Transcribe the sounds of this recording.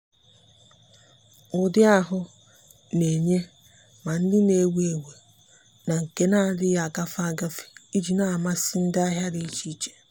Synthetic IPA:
ʊ˨dɪ˦a˦ɦʊ˦ | ne˨ɲe˦ | ma˨n̩˦dɪ˦ne˦we˨we˨ | na˨ŋ̩˨ke˦na˦˨dɪ˦ja˨a˨ka˦fa˦ɡa˦fi̥˨i˦d͡ʒi˨na˨a˨ma˦sɪ˦n̩˦da˦ɦja˦di˦i˦t͡ʃi˦t͡ʃe̥˨

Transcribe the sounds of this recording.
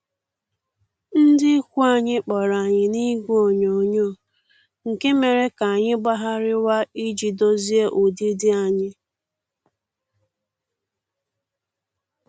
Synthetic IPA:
n̩˦dɪ˦kʷu˦a˨ɲɪ˦k͡pɔ˨ɾa˨ɲɪ˨ni˦ɡʷu˦o˨ɲo˨ɲo˦˨ | ŋ̩˨ke˦me˨ɾe˦ka˨ɲɪ˦ɡ͡ba˦ɦa˦ɾɪ˦wa˦i˦d͡ʒi˨do˦zi˦e˦ʔu˨di˦dɪ˦a˨ɲɪ˦

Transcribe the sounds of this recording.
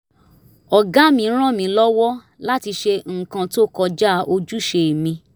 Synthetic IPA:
ɔ˨ɡa˦mĩ˧˦ɾ̃ã˦˨mĩ˧lɔ˦wɔ˦ | la˦ti˧ʃe˧ŋ̩˨kã˧to˦kɔ˧d͡ʒa˦ʔo˧d͡ʒu˦ʃe˧˨mĩ˧

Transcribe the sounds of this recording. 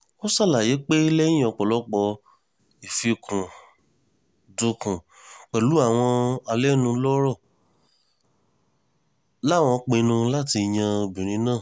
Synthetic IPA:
o˦sa˦˨la˨je˨˦k͡pe˦i˦lɛ̃˦ɔ˧k͡pɔ˨lɔ˨˦k͡pɔ˧ | i˨fi˧kʰũ˨ | du˧kũ˨ | k͡pɛ˨lu˨˦a˦˨w̃ɔ̃˧a˧lɛ˦nũ˧˦lɔ˦ɾɔ˦˨ | la˦˨w̃ɔ̃˧k͡pe˧nũ˧la˦ti˧jã˧o˧bĩ˨ɾ̃ĩ˨˦nãː˦˨

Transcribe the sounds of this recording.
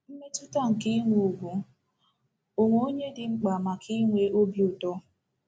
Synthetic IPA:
m̩˦me˦tʊ˦ta˦ŋ̩˨ki˦ŋʷu˨u˨bu˨ | o˨ŋʷo˨o˦ɲe˦dɪ˨ŋ͡m̩˦k͡pa˨ma˨kʰi˦ŋʷe˦ʔo˦bjʊ˨tɔ˦

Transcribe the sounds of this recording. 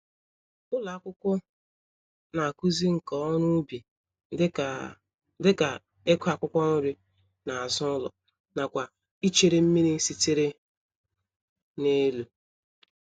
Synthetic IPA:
ʊ˦la˨˦kʷʊ˦kʷʊ˦ | na˨a˨ku˦zi˦ŋ̩˨kɔ˨˦nʊ˦bi˨˦ | dɪ˦ka˨ | e˦kʷa˨kʷʊ˦kʷɔ˦nʊ˦ɾɪ˦ | na˨a˨zʊ˦lɔ̰˨ | na˨kʷa˨ | i˦t͡ʃe˨ɾe˦m̩˦mi˦ni˦n̩˦si˦te˦ɾe˦ | ne˦lu˨

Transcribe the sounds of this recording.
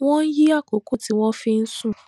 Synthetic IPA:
w̃ɔ̃˦n̩˦ji˦a˦˨ko˨˦ko˦ti˨˦w̃ɔ̃˦fi˧n̩˦sũ˦˨

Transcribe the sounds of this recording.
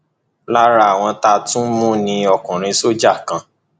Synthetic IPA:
la˦ɾa˧a˨w̃ɔ̃˧ta˧tũ˦mũ˦nĩ˧ɔ˧˨kũ˨ɾ̃ĩ˧so˦d͡ʒa˦˨kã˨

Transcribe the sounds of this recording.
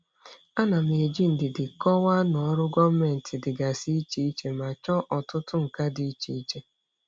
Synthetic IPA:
a˦na˨m˨e˨d͡ʒi˦n̩˨dɪ˨dɪ˨kɔ˦wa˦nɔ˨˦ɾʊ˦ɡɔ˦me˨n̩˨tɪ˨dɪ˨ɡa˨si˦i˦t͡ʃi˦i˦t͡ʃe˦ma˨t͡ʃɔ˦ʔɔ˨tʊ˦tʊ˦ŋ̩˨ka˦di˨i˦t͡ʃe˨i˦t͡ʃe˦

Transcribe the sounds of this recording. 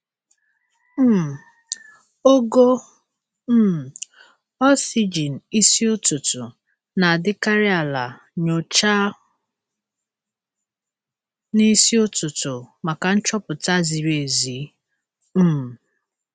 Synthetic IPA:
m̩˦˨ | o˦ɡo˦ | m̩˦˨ | ɔ˦si˦d͡ʒi˨n̩˨i˦si˦ʊ˦tʊ˨tʊ˨ | na˨a˨dɪ˦ka˦ɾɪ˦a˨la˨ | ɲo˨t͡ʃa˦ | ni˦si˦ʊ˦tʊ˨tʊ˨ma˨ka˨n̩˦t͡ʃɔ˦pʊ˨ta˦zi˨ɾe˨zi˨˦ | m̩˦˨

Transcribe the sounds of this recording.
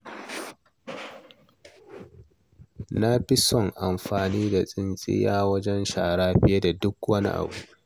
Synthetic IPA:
na˦ɸi˦sɔ˨ŋʔa˨mɸaː˨niː˦da˨sʼɪ˦nsʼɪ̰˦jaː˦wɐ˦d͡ʒɛ˦nʃaː˨ɽaː˦ɸɪ˦je˦da˨dʊ˦kwɐ˦nḭ˦ʔa̰˨buː˦

